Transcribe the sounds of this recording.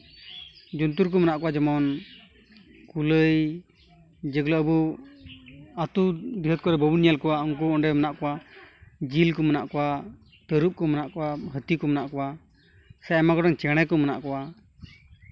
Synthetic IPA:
d͡ʒunt̪̬uɾk̬ɔmanaʔkɔwad͡ʒɛmɔn | kuləj | d͡ʒəɡlaəbu | at̪ud̪iɦət̪̚kɔɾɛbɔbunijalkɔwaɔŋk̬uɔnɖɛmənaʔkɔwa | d͡ʒilkɔmənaʔkɔwa | t̪əɾup̚kɔmanaʔkɔwaɦət̪ikɔmənaʔkɔwa | sɛjɛmaɡɔɖɔŋt͡ʃɛɽ̃ɛkɔməna̰ʔkɔwa

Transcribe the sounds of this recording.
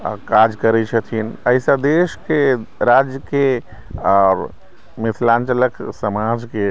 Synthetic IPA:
kad͡ʒkəɾɛt͡ʃʰɛt̪ʰinəɪsad̪eʃkeɾad͡ʒjəke | ɔɾ | mɪt̪ʰlãnt͡ʃələksəmad͡ʒke

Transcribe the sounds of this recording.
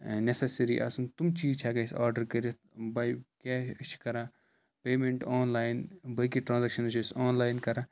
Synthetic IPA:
nesesɐɾiʔɐ̰sɐnt̪umt͡ʃiːzt͡ʃʰaːkɐsa̰ːɾɖɐɾkɐɾi | bɐkeːʃkɐɾaː | peːmẽɳʈɔːnlaːjnbɐkiʈɾãːnzɐkʃɐnɐʃsɔːnlaːjnkɐɾaː

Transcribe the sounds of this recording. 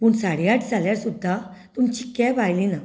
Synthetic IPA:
puːɳsaɽiaʈd͡zʱaljaɾsud̪ʱːat̪umt͡ɕi̥kabajlina

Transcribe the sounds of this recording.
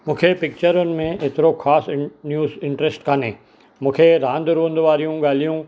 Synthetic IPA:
mʊ̃ːkʰepɪk̚t͡ʃəɾʊn̆mẽʔɪt̪ɾokʰaːsnjuːzɪ̃ɳʈɾesʈkanẽː | mʊ̃ːkʰeɾãːnd̪ɾõːnd̪ʋaːɾijũɡaːlijũ

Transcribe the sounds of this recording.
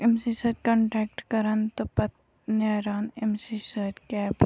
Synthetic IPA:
emsiːsɐt̪̚kɐ̃ɳʈɾɛːk̚ʈkɐɾɐnt̪opɐt̪ | naːɾaːnemsisəːt̪kɛːb

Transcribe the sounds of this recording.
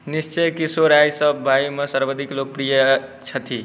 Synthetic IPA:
nist͡ʃəjkisoɾajsəbːʱajimesəɾbəd̪ʱiklok̚pɾijət͡ʃʰət̪ʰi

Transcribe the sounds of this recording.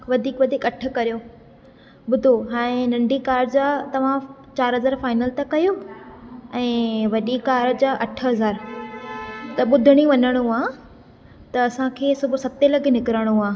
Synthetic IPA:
ʋɐd̪ʱiːkʋɐd̪ʱiːkɐʈʰə̆kːɐɾijoː | ɓʊd̪ʱoɦãːẽnɐ̃ɳɖʱikaːɾd͡ʑaːt̪ɐʋ̤ãt͡ɕaːɾɦɐzaːɾfaːɪnəlt̪ɐkɐjo | ɛ̃ːʋɐɗikaːɾd͡ʑaːʔɐʈʰəɦɐzaːɾ | t̪ɐɓʊd̪ʱɪɽ̃iʋɐɲəɽ̃uaː | t̪ɐɐsãkʰeːsʊbʱʊ̆sɐt̪elɐɡʱnɪkɪɾaɽ̃uaː

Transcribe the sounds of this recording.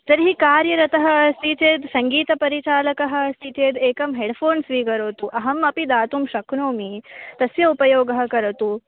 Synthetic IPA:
t̪ɐɾɦikaːɾjɐɾɐt̪ɐɦɐ̆siːt͡ʃeːd̪sɐŋɡiːt̪ɐpɐɾit͡ʃaːlɐkɐɦɐ̆siːt͡ʃeːd̪eːkɐmɦeːɖpʰoːnsʋiːkɐɾoːt̪uʔɐɦɐmɐpid̪aːt̪umʃɐknoːmit̪ɐsjɐupɐjoːɡɐɦɐ̆kɐɾɐt̪u

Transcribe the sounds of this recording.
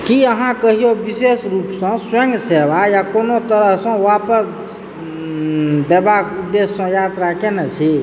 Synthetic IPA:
kiəɦãkəɦijobisesɾupsə̃swə̃ŋɡsebajakonot̪əɾəɦsə̃wapəs | d̪ebakud̪ːesːə̃jat̪ɾakenət͡ʃʰi

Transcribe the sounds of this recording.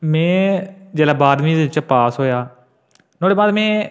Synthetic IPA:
mɛ̃ːd͡ʒɛːlaːbaːd̪mĩːd̪ɪt͡ʃpaːsɦoːjaː | noːɖeːbaːd̪mɛ̃ː

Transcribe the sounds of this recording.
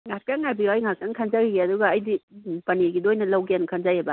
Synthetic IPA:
ŋat̚kaŋːajbiajŋakaŋkʰanzaɡiɡeɐduɡaːjdipɐniɡidojnɐlɐwɡenkʰanzajebɐ

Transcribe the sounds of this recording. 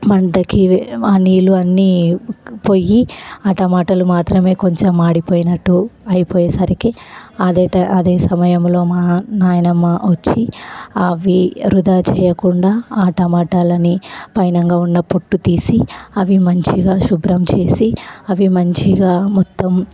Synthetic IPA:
mɐɳɖɐkianiːluɐnːi | po̞jiaːʈɐmaːʈɐlumaːt̪ɾɐme̞ːko̞ɲt͡ʃemːaːɽipoːjinɐʈːuɐjipoːjesɐɾikeɐd̪eːʈɐʔɐd̪eːsɐmɐjɐmlo̞ːmaːnaːjɐnɐmːɐʋɐt͡ʃːiɐʋiɾud̪aːt͡ʃɛːjɐkuɳɖaːaːʈɐmaːʈaːlɐnipɐjnɐŋɡaːunːɐpo̞ʈːut̪iːsiɐʋimɐɲt͡ʃiɡaːʃubɾɐmt͡ʃe̞ːsiɐʋimɐɲt͡ʃiɡaːmɔt̪ːɐm

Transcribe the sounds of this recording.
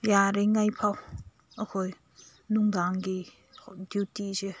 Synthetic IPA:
jaɾeŋajpʰaw | əkʰoj | nuŋd̪aŋɡi | djuwtize

